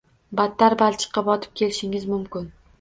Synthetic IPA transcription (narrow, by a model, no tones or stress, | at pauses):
bat̪ʰːaɾbalt͡ʃʰɨ̥qʰːɑpɒt̪ʰɪ̥p̚kʲʰe̞lɪʃɪŋɪzmʊmkʲɪn